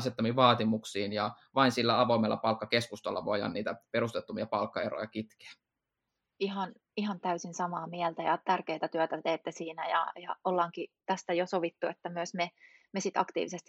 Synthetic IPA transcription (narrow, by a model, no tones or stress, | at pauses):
set̪ːɑmiʋɑːt̪imuksiːnjɑ | ʋɑinsilːæɑʋoimelːɑ̰pɑlkːɑkeskust̪ɑlːɑ̰ʋojɑ̰nniːt̪æpeɾust̪et̪ːumiɑpɑlkːɑero̰jɑkit̪ke̥æ̥ | iɦɑn | ihɑnt̪æysinsɑmɑːmiɛlt̪æjɑt̪ærkeːt̪æt̪yœt̪æt̪eːt̪ːesiːnæjɑ̰jɑolːɑːŋkit̪æst̪æjosoʋit̪ːuet̪ːæmyøsme | mesit̪ɑ̰kt̪ḭːʋisest̪i